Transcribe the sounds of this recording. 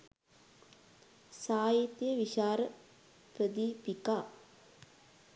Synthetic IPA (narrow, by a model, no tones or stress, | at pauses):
saːjit̪jəʋiʃaːɾə | pɾəd̪ipikaː